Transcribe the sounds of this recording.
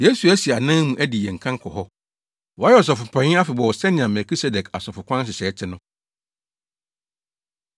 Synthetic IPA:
je˦su˨æ˦si˨a˨nã˦mũ˨ʔæ˦di˨jɛ̃˨ŋ̩˨kʰã˦ŋ˦kʰɔ˨ɦɔ˦ | wɔ˨a˦ɛ˨ɔ˨s̬ɔ˨fʊ˨pʰã˨ɲɪ̃˦a˦fɪ˨bɔ˨wɔ˨sɛ˦nɪ̃˨ã˨mɛ˨kʰi˦se˦dɛ˨kʰa̰˨sɔ˨fʊ˨kʷʰã˦ns̬ɪ˨sɛː˨˦tʰɪ˦nʊ̃˦

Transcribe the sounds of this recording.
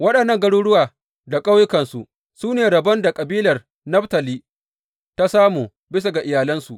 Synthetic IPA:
wɐ˦ɗɐ˨nːɐ˦ŋɡɐ˦ɽuː˦ɽʊ˦waː˨ | da˨kʼa˦wjʊ˦kɐ˨nsu˨ʔ | suː˦neː˨ɽɐ˨bɐ˦nda˨kʼɐ˨biː˦lɐ˨r | nɐ˦ɸtɐ˨liː˦ | ta˦saː˦muː˨ | bɪ˦sa˨ɡa˨ʔɪ˨jaː˨lɐ˦nsu˨ʔ

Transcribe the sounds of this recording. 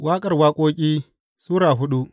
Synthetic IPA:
waː˦kʼɐ˦˨rwaː˦kʷʼoː˦kʲʼiː˦ | suː˦ɾaː˨ɦʊ˦ɗu˦

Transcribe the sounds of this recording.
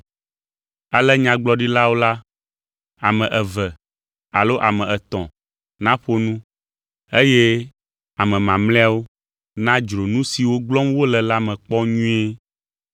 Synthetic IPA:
a˨lɛ˦ɲã˨ɡ͡blɔ˦ɖi˦la˦wo˦la˦ | a˨mɛ̃˨ʔɛ˨vɛ˨ | a˨lo˦ʔa˨mɛ̃˨ɛ˨t̪ɔ̃˨ | nã˦ɸo˦nũ˦ | e˦jɛ˦ | a˨mɛ̃˨mã˨mlɛ̃˦a˦wo˦ | nã˦d͡ʒɾo˨nũ˦si˨wo˦ɡ͡blɔ˦mwo˦lɛ˨la˦mɛ̃˨k͡pɔ˦ɲũ˦e˦

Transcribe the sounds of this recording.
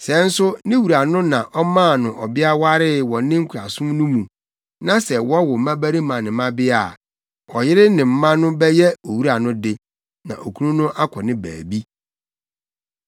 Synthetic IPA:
sɛ˨˦n̩˦sʊ˦nɪ̃˦wu˨ɾa˨nʊ̃˦nã˨ʔɔ˦mãː˦˨nʊ̃˨ʔɔ˨bɪ˦a˦wa˦ɾɪ˦wɔ̃˨nɪ̃˦ŋ̩˦kʰɾa˨sʊ̃˦mnʊ̃˦mũ˨ | nã˨sɛ˨wɔ̃˦wɔ˨˦mã˦bæ˦ɾi˦mã˨nɪ̃˨mã˦bɪ˦a˨ | ɔ˨jɪ˦ɾɪ˦nɪ̃˨m̩˦mã˦nʊ̃˦bɛ˦jɛ˦o˨wu˦ɾa˨nʊ̃˦dɪ˦ | nã̰˨ʔo˨kʰu˦nũ˦nʊ̃˦ʔa˦kʰɔ˨nɪ̃˦bæ̰ː˨bi˦

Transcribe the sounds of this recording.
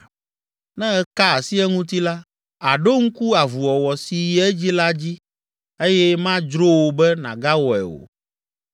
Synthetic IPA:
nɛ̃˦ɛ˦ka˦a˨si˦ɛ˦ŋũ˦t̪i˦la˦ | a˨ɖo˦ŋ̩˦ku˦a˨vu˨wɔ˨wɔ˨si˨jɛ˦ɛ˦d͡ʑi˦la˦d͡ʑi˦ | e˦jɛ˦mã˦d͡ʒɾo˦wo˨bɛ˦nã˨ɡa˦wɔ˨ɛ̰˨o̰˨

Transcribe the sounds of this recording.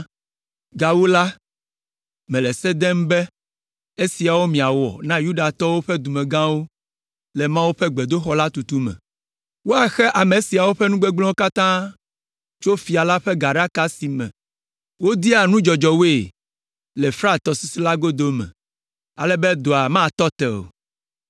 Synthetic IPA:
ɡa˨wu˦la˦ | mɛ̃˨lɛ˨sɛ˦d̪ɛ˦m˦bɛ˦ | e˦si˨a˨wo˦mĩ˨a˨wɔ̰˨nã˦ju˦ɖa˨t̪ɔ˦wo˦ɸɛ˦d̪u˨mɛ̃˨ɡã˦wo˦ | lɛ˨mã˦wu˦ɸɛ˦ɡ͡be˨d̪o˦xɔ˦la˦t̪u˨t̪u˦mɛ̰̃˨ | wo˦a˨xɛ˦ʔa˨me˨si˨a˨wo˦ɸɛ˦nũ˦ɡ͡be˦ɡ͡blɔ̃˦o˦ka˦t̪ã˦ | t͡ʃo˦fi˨a˨la˦ɸɛ˦ɡa˨ɖa˦ka˦si˨mɛ̰̃˨ | wo˦d̪i˦a˨nũ˦d͡ʒɔ˨d͡ʒɔ˨we˦˨ | lɛ˨fɾa˦˨t̪ɔ˨si˦si˦la˦ɡo˦d̪o˦mɛ̰̃˨ | a˨lɛ˦bɛe˦d̪o˨a˨mã˦˨t̪ɔ˦t̪ɛ˨o̰˨

